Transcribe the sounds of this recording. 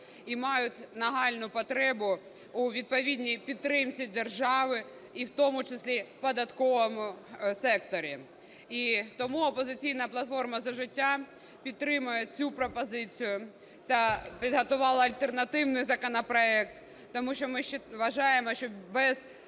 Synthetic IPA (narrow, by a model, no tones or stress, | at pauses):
imɑjʊtʲnɐɦɑlʲnʊpɔt̪ɾɛbʊ | ʊʋʲid̪̚pɔʋʲidʲnʲijpʲid̪̚ɾɪmt͡sʲid̪erʒɑʋɪ | iwt̪ɔmʊt͡ʃɪsʲlʲipɔd̪ɐt̪kɔʋɔmʊsɛkt̪ɔɾʲi | it̪ɔmuɔpɔzɪt͡sʲijnɐplˠɐt̪fɔrmɐzɐʒɪtʲːa | pʲit̪ːɾɪmʊjɛt͡sʲupɾɔpɔzɪt͡sʲijʊ | t̪ɐpʲid̪ɦɐt̪ʊʋɑlˠɐɐlʲt̪ernɐt̪ɪwnɪjzɐkɔnɐpɾɔɛkt̪ː | ɔmuʃt͡ʃɔmɪʃt͡ʃɛʋɐʒɑjemɔʃt͡ʃɔbɛz